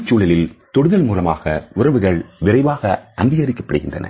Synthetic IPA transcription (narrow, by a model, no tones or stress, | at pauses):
t͡ʃːuːlɐlɪlt̪ɔɽɯðɐlmuːlɐma̰ːɣɐʊrɐʋɯɣɐɭʋɪrɐɪʋaːɣɐʔɐnd̪ɪɣɐɾɪkːɐ̥pːɐɽɯɣɪndrɐ̰nɐ̰